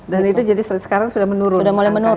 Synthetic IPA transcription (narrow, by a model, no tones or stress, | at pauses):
danit̪ud͡ʒadisəɛt̪̚sə̥kaɾaŋsudahmənuɾʊdamolɛmənu